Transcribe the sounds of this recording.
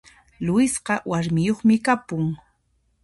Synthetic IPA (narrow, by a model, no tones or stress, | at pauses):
lʊjɪsqɑwaɾmɪjoχmɪkapʊŋ